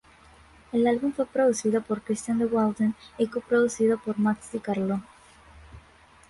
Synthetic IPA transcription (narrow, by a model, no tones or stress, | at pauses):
elalβuɱfwepɾoðuθiðopoɾkɾist̪jand̪ewald̪enekopɾoðuθiðopoɾmaksikaɾlo